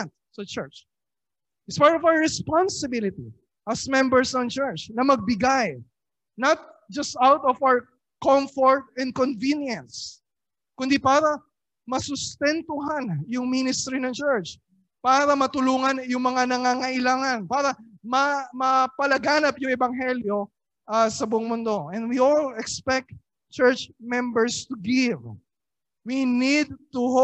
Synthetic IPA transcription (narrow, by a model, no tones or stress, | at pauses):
nt̪̚sɐt͡ʃɛɹt͡ʃ | ʔɪspaɹt̪ɔvawəɹɛspansɪbɪlɪt̪ḭ | ʔɐsmɛ̃mbɛɹsɐnt͡ʃɛɹt͡ʃnɐmɐɡ̚bɪɡaj | nɐt̪̚ | d͡ʒɐst̪awt̪ɔfawəɹ | kɔmfɔɹt̪̚ɛ̃nd̪̚konvinjɐ̃ns | kʊnd̪ipaːɾɐ | mɐsʊst̪ɛnt̪ʊɦanjʊŋminɪst̪ɾinɐŋt͡ʃɛɹt͡ʃ | paːɾɐmɐt̪ʊluːŋɐnjʊŋmɐŋanɐŋaŋɐʔɪlaːŋɐnpaːɾɐmɐmɐpɐlɐɡaːnɐpjʊŋʔɛbɐŋɦɛljo̞ | ʔasɐbʊʔoŋmʊnd̪o̞ʔɛ̃nd̪wiolɛkspɛk̚t̪̚ | t͡ʃɛɹt͡ʃmɛmbɛɹst̪ʊɡɪv | winid̪̚t̪ʊh